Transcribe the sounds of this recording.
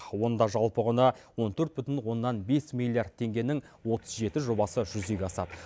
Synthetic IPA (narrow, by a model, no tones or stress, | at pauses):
wo̞nd̪ɑʒɑlˠpəʁənɑwo̞nt̪ʰɵɾt̪̚bʏt̪ɪnwo̞nːɑnbe̞smilˠːijard̪̚t̪ʰːe̞ŋɡʲe̞nɪŋ | wo̞t̪ʰə̥zʒe̞t̪ɪʒo̞bɑsəʒʏze̞ɡʲeɑsɑ̰d̪ə